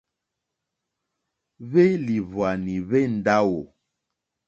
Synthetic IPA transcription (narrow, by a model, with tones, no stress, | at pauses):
βe˦li˨vwa˨ni˨βe˦n̩˨da˦wo˨